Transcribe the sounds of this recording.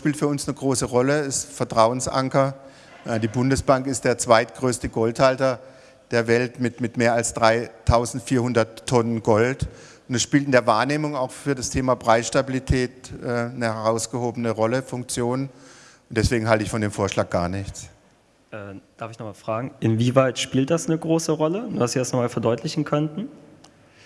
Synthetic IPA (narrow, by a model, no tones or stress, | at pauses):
ʃpiːltfyːɐʊnsnəɡʁoːsəʁɔləɪsfɛɐtʁ̥aʊənsʔa̰ŋkɐ | ʔədiːbʊndəsb̥aŋkɪstd̥eːɐt͡sv̥aɪtɡ̥ʁøːstəɡɔlthaltɐ | d̥eːɐvɛltmɪtmɪtmeːɐalsd̥ʁaɪtʰaʊzn̩tfiːɐhʊndɐtʰːɔnənɡɔlt | ʊntɛsʃpiːltɪndeːɐvaːɐneːmʊŋaʊxfyːɐdastʰeːmaːbʁaɪsʃtabilitʰɛːt̚ʔɛːnəhɛʁaʊsɡ̥əhoːbənəʁɔləfʊŋk̚t͡sjoːn | ʊnt̚d̥ɛsv̥eːɡŋ̩ɦaltəɪçfɔndeːmfoːɐʃlaːk̚ɡ̥aːɐnɪçt͡s | ʔɛːd̥aɐfɪçnɔχmaːlfʁ̥aːɡŋ̩ʔɪnviːvaɪtʃpiːlt̚d̥asnəɡʁoːsəʁɔlənduːhastz̥iːdasnɔχmaːlfɛɐdɔʏtʰlɪçn̩kʰœntn̩